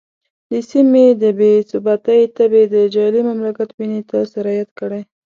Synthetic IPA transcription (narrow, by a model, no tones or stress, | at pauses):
d̪əsimed̪əbesʊbat̪ajt̪abed̪əd͡ʒɑlimamlakat̪binet̪asaɾɑjat̪kəɽaj